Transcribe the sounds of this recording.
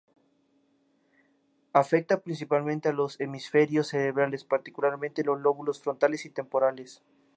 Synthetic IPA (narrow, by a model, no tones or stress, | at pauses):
afe̞k̚t̪apɾinsipalmẽnt̪ealo̞se̞misfe̞ɾjo̞sːe̞ɾeβɾale̞spaɾt̪ikulaɾmẽnt̪enlo̞zlo̞βulosfɾo̞nt̪ale̞sit̪e̞mpo̞ɾales